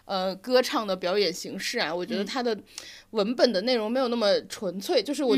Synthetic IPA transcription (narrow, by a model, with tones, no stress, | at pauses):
ə˧kɤ˥ʈ͡ʂʰɑ˥˩ŋd̪ə˩pjɑ˧˥ʊjɛ˨˩nɕi˧˥ŋʂɻ̩˥˩ɐ˩wɔ˨˩t͡ɕɥɛ˧˥d̪ə˧t̪ʰa˥d̪ə˨wə˧˥npə˨˩nd̪ə˩ne˥˩ɪɻʊ˧˥ŋm˧˥ɪo˨˩na˥˩mə˩ʈ͡ʂʰwə˧˥nt͡sʰwe˥˩ɪt͡ɕjo˥˧ʊʂ̬ɻ̩˥˩wɔ˨˩